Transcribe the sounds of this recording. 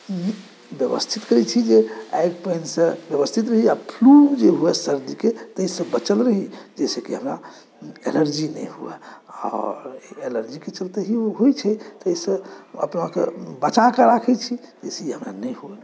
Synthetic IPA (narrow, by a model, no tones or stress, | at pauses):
i | bjəbə̰st̪ʰit̪kəɾɛt͡ʃʰid͡ʒea̰jɡpəjnsə̃bjəβəst̪ʰit̪ɾəɦiapʰlud͡ʒeɦuɛsəɾd̪iket̪əisə̃bət͡ʃəlɾəɦid͡ʒɛsekeɦəmɾa̰ | enəɾd͡ʒinɛjɦuɛ̰ɔ̰ɾenəɾd͡ʒiket͡ʃəlt̪eɦioɦojt͡ʃʰɛt̪əjsə̃ə̰pnakḛbət͡ʃakəɾakʰɛt͡ʃʰi | d͡ʒeseiɦəmɾa̰nəjɦuɛ